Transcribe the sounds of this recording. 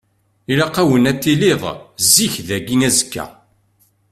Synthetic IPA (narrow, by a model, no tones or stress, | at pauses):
ilɑqæwənæt̪ːiliðˤzːiçðæɡinæzə̥kːæ̰